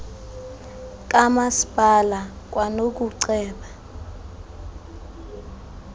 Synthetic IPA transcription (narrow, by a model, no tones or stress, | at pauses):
k̬ʼamasi̥pʼala | k̬ʼwanok̬uǀɛːɓa